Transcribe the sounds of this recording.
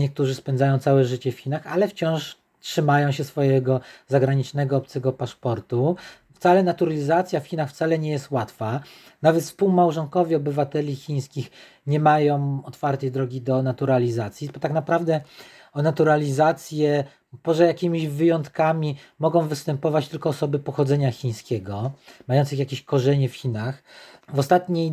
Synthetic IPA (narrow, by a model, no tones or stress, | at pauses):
ɲɛk̚t̪uʐɘspɛnd̪zajɔ̃w̃t̪sawɛʐɘt͡ɕɛfxʲinaxalɛft͡ɕɔ̃w̃ʂ | tʂɘmajɔ̃w̃ɕɛsfɔjɛɡɔzaɡɾaɲit͡ʂnɛɡɔɔp̚t̪sɛɡɔpaʂpɔɾt̪u | ft̪salɛnat̪uɾalʲizat̪sʲjafxʲinaxft̪salɛɲɛjɛst̪wat̪fa | navɛt̪fspuwmawʐɔŋkɔvʲjɛɔbɘvat̪ɛlʲixʲiɲ̃skʲix | ɲɛmajɔ̃w̃ɔt̪faɾt̪ɛjd̪ɾɔɡʲid̪ɔnat̪uɾalʲizat̪sʲjibɔt̪aknapɾavd̪ɛ | ɔnat̪uɾalʲizat̪sʲjɛ | pɔʐɛjakʲimʲiʑvɘjɔnt̪kamʲimɔɡɔ̃w̃vɘst̪ɛmpɔvat͡ɕt̪ɘlkɔːsɔbɘpɔxɔd̪zɛɲaxʲĩɲ̃skʲɛɡɔmajɔnt̪sɨxjakʲeɕkɔʐɛɲɛfxʲinaxvɔst̪at̪ɲej